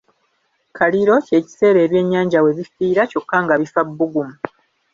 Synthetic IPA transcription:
kaliɾo̞ce̞ːci̥se̞ːɾe̞ːβje̞ɲːaːɲɟawe̞βifiːɾaco̞kːaŋɡaβifabːuɡumu

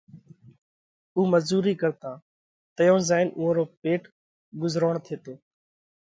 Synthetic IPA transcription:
uːməzuːɾiːkəɾt̪ãː | t̪əjõːzaːɪnʔʊːɦõːɾoːpeːʈ | ɡʊzɾoːɳt̪ʰeːt̪oː

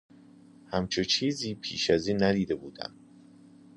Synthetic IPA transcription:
hæmt͡ʃʰet͡ʃʰiːziːpʰḭːʃæziːnːæd̪iːd̪ebuːd̪̥æ̰m

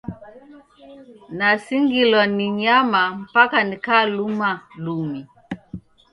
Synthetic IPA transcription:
nasiŋɡilɔniɲamam̩pakanikaːlumalumi

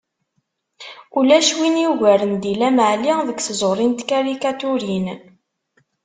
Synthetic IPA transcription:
ulæʃwinjuʝæɾənd̪ilæmʕliðəɡθzˤoɾˤint̪kaɾikat̪uɾin

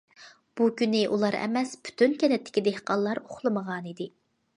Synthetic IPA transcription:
b̥ukʲynɪʔulˠɑɾɛ̰mɛspʰy̥t̪ʰynkʲɛnɛt̪ʰːɪ̥kʲid̪ehqɑlˠːɑɾoχlˠɨməʁɑnid̪ɪ

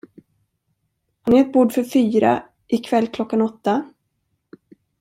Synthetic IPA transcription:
hanɪɛt̪̚buːɖfœɾfyːɾa̰ | ʔɪkʰvɛlːkʰlɔkːanɔt̪ːa

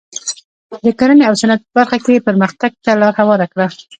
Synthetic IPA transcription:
d̪əkaɾəneawsanad̪̚pəbaɾxakepəɾməxt̪aɡ̚t̪alɑɾhawɑɾakɽa

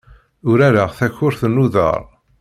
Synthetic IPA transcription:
ʊɾaɾaʁθæçʊɾθnuðə̰ɾˤ

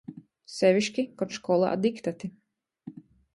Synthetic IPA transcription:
sɛvʲiʃkʲikɔt̪ʃkɔlˠa̰ʔa̰d̪ikt̪at̪i

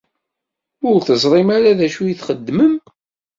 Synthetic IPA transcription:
ʊɾθəzˤɾˤimaɾaðæʃujiθχəd̪ːməm

